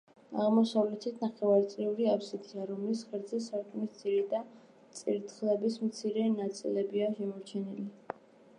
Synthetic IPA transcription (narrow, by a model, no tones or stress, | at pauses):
a̰ʁmɔsavlɛt̪ʰit̪ʰnaχɛvaɾt̪sʼliuɾiapsid̪ʰiaɾɔmlisχɛɾd̪zɛsaɾkʼmist̪ziɾɛd̪a | t̪sʼiɾt̪ʰχlɛbismt̪sʰiɾɛnat̪sʼḭlɛbiaʃɛmɔɾt͡ʃʰɛnili